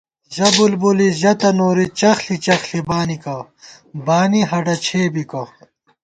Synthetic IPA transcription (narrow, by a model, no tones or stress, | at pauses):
zɐbulbuliʑɐt̪ɐnoːɾit͡ɕɐxɬit͡ɕɐxɬibaːnikɐ | baːniɦɐɖɐt͡ɕʰeːbikɐ